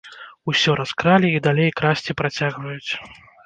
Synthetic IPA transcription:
usʲɔɾʔaskɾalʲiːd̪alʲejkɾasʲt͡sʲipɾat͡sʲaɣvɐjut͡sʲ

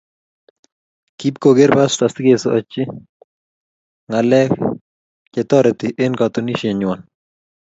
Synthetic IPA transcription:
kip̚koɡeɾbast̪asɪɡesot͡ʃɪ | ŋalɛ | t͡ʃɛt̪ɔɾɛt̪ɪʔenkat̪uniʃeɲwɔn

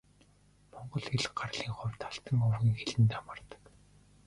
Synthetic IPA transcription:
mɔɴɢɞ̆ɮxeɮɢarɮiːŋχʊwʲt̪ʰaɬt̪ə̆ŋɵwxiːŋxeɮɘ̆nt̪amə̆rt̪ə̥̆k

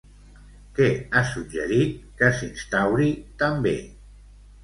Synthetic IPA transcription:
kɛasuʒə̰ɾit̪̚kəsinst̪awɾit̪əmbḛ

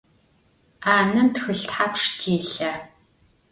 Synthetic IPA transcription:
aːnɨmtxɨɬtħapʂtʰiːɬɐ

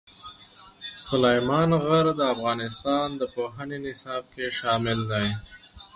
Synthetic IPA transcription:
sʊlajmɑnɣəɾd̪əafɣɑnɪst̪ɑnd̪əpoɦənenɪsɑb̚keʃɑmɪld̪aj

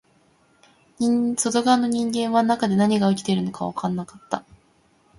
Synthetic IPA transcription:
ɲisod̪oɡanːo̞ɲ̟ĩŋɡẽ̞ɰ̃βanakad̪e̞naɲ̟iɡaɯ̟kʲi̥t̪eɾɯ̟no̞kaβakãnːakḁt̪ːa

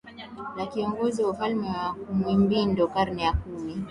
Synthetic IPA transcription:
nakiɔŋɡɔziwafalmɛwakumwimbindɔkaɾnɛjakumi

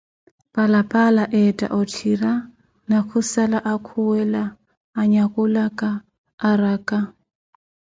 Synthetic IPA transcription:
pʼalapʼalaʔɛtʼa̰ʔɔtʰira | nakʰʊsalaʔakʰuwɛlaː | ɲakʼʊlakʼaː | rakʼa

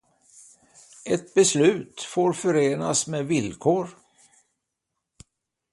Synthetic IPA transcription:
ɛt̪̚bɛslʉ̟ːt̪foːɾfœɾeːnasmevɪlkʰoːɾ

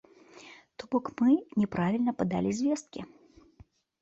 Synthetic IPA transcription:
t̪ɔbɔkmɨnʲɛpɾavʲilʲnɐpɐd̪a̰lʲizʲvʲɛst̪̚kʲi

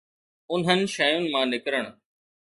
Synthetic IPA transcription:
ʊnɦənɪ̆ʃəjʊnɪ̆mãːnɪkɾəɽ̃

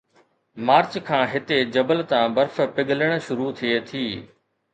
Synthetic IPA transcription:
maːɾt͡ɕkʰãːɦɪt̪ed͡ʑɐbəlt̪ãːbɐɾfpɪɠʱələɽ̃̆ʃʊɾut̪ʰiet̪ʰiː

